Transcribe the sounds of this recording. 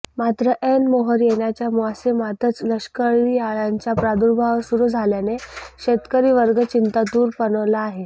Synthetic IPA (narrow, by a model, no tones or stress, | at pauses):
mat̪ɾəʔenmoɦəɾjeɳjat͡ɕjamuasemat̪ət͡sləʂkəɭiːaɭaɲt͡ɕjapɾad̪uɾbʱaʋsuɾuːd͡zʱaljaneɕet̪kəɾiːʋəɾɡʱət͡ɕint̪ad̪uːɾpənəʋlaːɦe